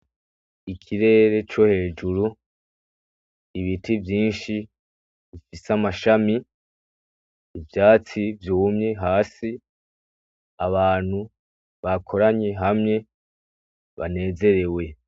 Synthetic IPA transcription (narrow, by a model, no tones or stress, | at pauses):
ikʰiɾe̞ːɾe̞t͡ʃo̞he̞ːd͡ʒuɾu | iβitivjiːnʃi | βifisamaʃami | vjaːt͡sivjuːmɲe̞ɦaːsi | aβaːn̥hu | βakʰo̞ɾaɲeɦamɲe̞ | βa̰ne̞ːze̞ɾe̞we̞